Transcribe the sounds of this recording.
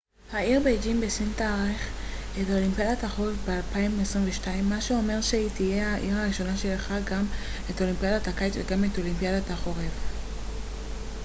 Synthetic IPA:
haiʁbejd͡ʒimbesint̪aʁeχ | eto̞limpijadataχo̞ʁevbealpaimesʁimveʃtaimːaʃeo̞me̞ʁʃeitije̞haʔiʁaʁiʃo̞naʃelχaɡameto̞limpiadatakajtveɡameto̞limpiadataχo̞ʁev

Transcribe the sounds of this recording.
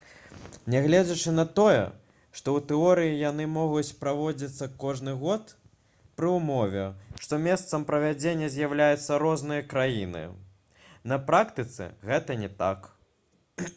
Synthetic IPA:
nʲɛɣlʲɛd͡zʲɐt͡ʂɨnɐt̪ɔjɛ̰ | ʂt̪ɔwt̪ɛɔɾɨjijanɨmɔɣut͡sʲpɾavɔd͡zʲit̪sːɐkɔʐnɨɣɔt̪ | pɾɨumɔvʲɛʂt̪ɔmʲest̪sɐmpɾɐvʲad͡zʲenʲːɐzʲjawlʲajut̪sːɐɾɔznɨjɐkɾajḭnɨ̰ | nɐpɾakt̪ɨt̪sɨ̰ɣɛt̪ɐnʲɛt̪a̰k

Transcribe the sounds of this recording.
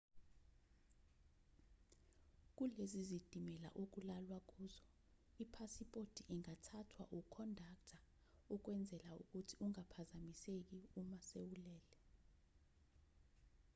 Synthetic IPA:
k̬ʼulezizid̥ʱimɛla̰ʔok̬ʼulalwak̬ʼuːzɔ | ipʰasipʼod̥ʱʼiʔiŋatʰatʰwa̰ʔukʰɔndʱaktʰa | uk̬wɛnd͡zʱɛlaṵk̬ʼutʰiuŋapʰazamisek̬iumasewulɛːlɛ

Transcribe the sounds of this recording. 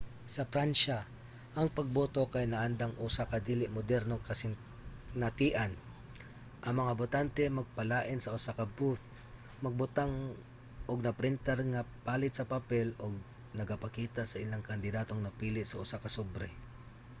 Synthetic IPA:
sɐfɾanʃa | ʔɐŋpɐɡ̚bot̪okɐjnɐʔand̪aŋʔuːsakɐd̪iːlɪʔmʊd̪ɛɾnokɐsɪŋ | nɐt̪iːʔan | ʔɐŋmɐŋabʊt̪ant̪ɛmɐɡ̚pɐlaːʔɪnsɐʔʊsakɐbuθ | mɐɡ̚bʊt̪aŋ | ʔoɡ̚nɐpɾɪnt̪ɛɾŋɐpaːlɪt̪sɐpapɛloɡ̚ | nɐɡapɐkiːt̪asɐʔɪlaŋkɐnd̪ɪd̪aːt̪oŋnɐpiːlɪt̪sɐʔʊsakɐsobɾɛ

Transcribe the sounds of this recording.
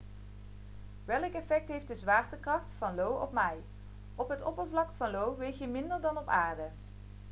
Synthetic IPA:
ʋɛləkɛfɛk̚tɦejftdəzʋaːɹtəkrɑχtfɑnlowɔpmɛj | ɔpɦətɔpəɹvlɑk̚tfɑnlowʋejxjəmɪndəɹdɑnɔpaːɹdə

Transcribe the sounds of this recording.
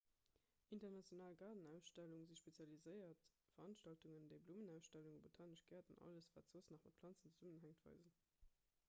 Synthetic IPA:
ʔintɐnɑt͡sjonaːlɡɑːdənæʊsʃtæluŋziʃpet͡sjɑlizəɪɐt | fɐɑnʃtɑltuŋəndəɪbluːmənæˑʊsʃtæluŋbotʰaːnəʃɡ̥ɛːɐdɑ̰nʔɑ̰ləsva̰ːtt͡soːsnɑχmɑt̚pʰlɑnt͡sənt͡səz̥umənɦæŋtv̥ɑ̰ɪzən

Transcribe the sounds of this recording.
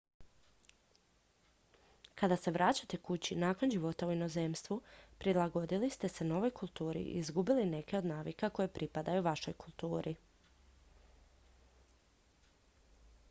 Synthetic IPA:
kad̪ase̞ʋɾat͡ɕat̪e̞kut͡ɕinaːkonʒiʋo̞t̪auino̞ze̞ːmst̪ʋupɾilˠaɡo̞d̪ilist̪e̞se̞no̞ʋo̞jkulˠt̪uːɾḭʔḭzɡubiline̞ke̞o̞d̪naːʋikako̞je̞pɾipad̪ajuʋaʃo̞jkulˠt̪uːɾʔi

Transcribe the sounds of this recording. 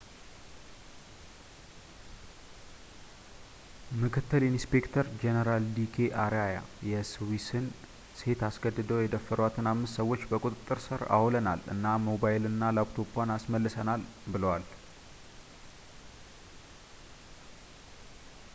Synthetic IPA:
mɨkʰɨt̪ːɨlinspe̞kt̪ʰəɾd͡ʒenəɾald̪ikʰeʔaɾaja̰jɛswisɨn | se̞t̪asɡəd̪ːɨd̪əwjɛd̪əfəɾwat̪ʰɨnamːɨst̪səwːo̞t͡ʃːbəkʼut̪ʼɨt̪ʼːɨɾsɨɾa̰wləna̰lɨ̰nːamo̞baɪlɨnːalabt̪ʰo̞pʰanasməlːɨsənalbɨləwal

